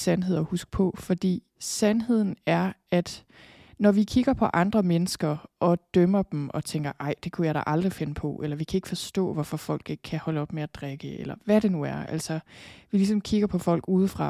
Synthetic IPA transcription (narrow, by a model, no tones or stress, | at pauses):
sænɦe̝ð̰ˠɒhusɡ̥̚pʰɒ̽fɒ̽d̥ḭː | sænɦe̝ð̞̰ˠn̩æɐæd̥ | nɒʋikʰiɡ̥ɐpʰɒ̽ʔɑ̈nd̥ʁɐmenəsɡ̥ɐʔɒ̽d̥œmɐb̥m̩ʔɒ̽t͡sʰeŋɡ̥ɐʔɑ̈ɪ̰d̥e̝kʰujɑɪɾɑ̰ʔɑ̈ld̥ʁife̝nəpʰɒ̽ʔelɐʋikʰæe̝ɡ̥fɒ̽sd̥ɔ̰̽ːʋɒfɒfɒ̽l̰ɡ̥e̝ɡ̥̚kʰːæhɒ̽ləɒ̽b̥meæd̥ʁaɡ̥əelɐʋæɾe̝nuæɐæ̰l̰sɒ̽ʋilis̬ɒ̽mkʰiɡ̥ɐpʰɒ̽fɒ̽l̰ɡ̥uːð̞̩ˠfʁɑ̈